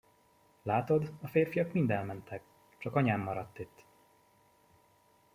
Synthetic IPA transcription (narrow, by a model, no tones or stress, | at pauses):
laːt̪o̞d̪ɒfeːrfijɒkmind̪ɛlmɛnt̪ʰɛk | t͡ʃɒkɒɲaːmːɒɾɒt̪ːit̪ː